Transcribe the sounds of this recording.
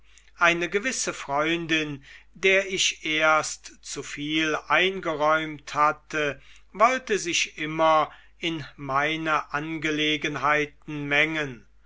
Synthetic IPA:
ʔaɪnəɡəvɪsəfʁ̥ɔʏndɪndeːɐɪʃʔeːɐstt͡sufiːlʔaɪnɡəʁɔʏmthatə | vɔltəzɪʃʔɪmɐ | ɪnmaɪnəʔanɡəleːɡənɦaɪtn̩mɛŋən

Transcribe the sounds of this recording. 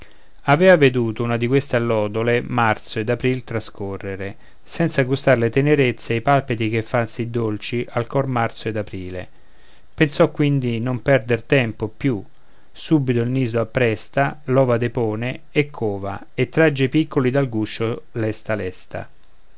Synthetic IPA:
avɛːvaved̪uːt̪ounad̪ikwest̪alːɔːd̪olemart̪soed̪apɾilt̪ɾaskʰorːeɾe | sɛnt̪saɡust̪aɾlet̪eneɾet̪sːeajpalpet̪ik̟efːansːid̪ːolt͡ʃiʔalkɔrmart̪soed̪apɾiːlḛ | pensɔkːwind̪inompɛrd̪ert̪ɛmpopju | subit̪oilniːzoapːɾɛst̪alɔːvad̪epɔːne | ekʰːoːva̰ | et̪ːɾad͡ʒːepikːolid̪alɡuʃːolɛst̪alɛst̪a̰

